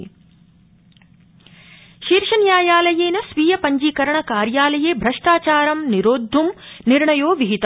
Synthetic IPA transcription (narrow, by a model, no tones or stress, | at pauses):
ʃiːɾʃɐnjaːjaːlɐjeːnɐsʋiːjɐpɐɲd͡ʒiːkɐɾɐɳɐkaːɾjaːlɐjeːbʱɾɐʂʈaːt͡ʃaːɾɐmniɾoːd̪ʱːumniɾɳɐjoːʋiɦit̪ɐ